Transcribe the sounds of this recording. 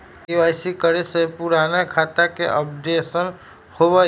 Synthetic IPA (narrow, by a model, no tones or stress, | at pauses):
iaɪsikəɾesepuɾaːnekʰaːt̪akeʔəbd̪esən | hobə